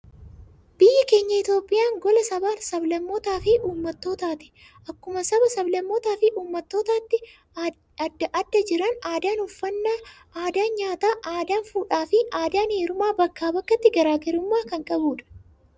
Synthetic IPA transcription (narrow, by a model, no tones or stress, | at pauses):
b̥ɪjːɐke̞ːɲːɐɪt̪jo̞ːpʼːɪjaːŋɡɔlɐsɐbaːnsɐblɐmːot̪aːfɪʔuːmːɐt̪ːo̞ːt̪aːt̪ɪ̥ | ʔɐkːʊmɐsɐbɐsɐblɐmːot̪aːfɪʔuːmːɐt̪ːo̞ːt̪aːt̪ːɪ | ɐd̪ːɐʔɐd̪ːɐd͡ʒɪɾɐnaːd̪aːnʊfːɐnːaː | aːd̪aːnɲaːt̪aːʔaːd̪aːnfuːᶑaːfɪʔaːd̪aːnheːɾʊmaːbɐkːaːbɐkːɐt̪ːɪɡɐɾaːɡɐɾʊmːaːkɐŋkʼɐbuːᶑɐ̥